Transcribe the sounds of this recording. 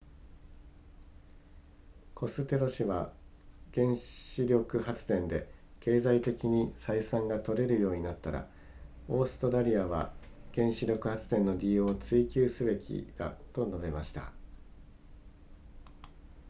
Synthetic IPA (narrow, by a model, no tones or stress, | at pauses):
kʰo̞sɨt̪e̞ɾo̞ɕiβaɡ̥ẽ̞ɰ̃ɕiɾʲo̞kɯ̟hat͡sɨ̥t̪ẽ̞nd̪e̞ke̞ːzait̪e̞kʲiɲ̟isaisãŋɡat̪o̞ɾe̞ɾɯ̟jo̞ːɲ̟inat̪ːaɾa̰ | o̞ːsɨ̥t̪o̞ɾaɾʲiaβ̞a̰ | ɡ̥ẽ̞ɰ̃ɕiɾʲo̞kɯ̟hat͡sɨ̥t̪ẽ̞nːo̞d̪ʲio̞ːt͡sɨikʲɨːsɨbe̞kʲḭd̪̥a̰t̪o̞no̞be̞maɕi̥t̪a̰